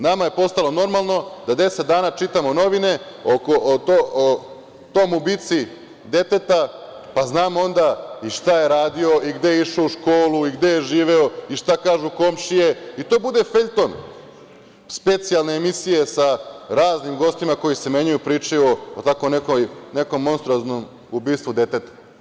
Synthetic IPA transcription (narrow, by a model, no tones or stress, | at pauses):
namaje̞po̞st̪alˠo̞no̞ɾmalˠno̞d̪ad̪e̞set̪̚d̪aːnaːt͡ʃit̪amono̞ʋine̞ | okoʔt̪oo | t̪o̞jmubit̪si | d̪e̞t̪e̞t̪a | paznaːmo̞nd̪aiʃt̪aje̞ɾaːd̪io̞iɡd̪e̞jeiʃouʃkoːluiɡd̪e̞jeʒiːʋe̞oiʃt̪akaːʒuko̞mʃije̞it̪oːbud̪e̞feʎʲt̪o̞n | spe̞t̪sijalˠne̞ːmisijesaɾaːznimɡo̞st̪imako̞jise̞me̞ɲujupɾiːt͡ʃajuoot̪akomnekojne̞ko̞mːo̞nst̪ɾuoznom | ubiːst̪ʋud̪e̞t̪e̞t̪ḁ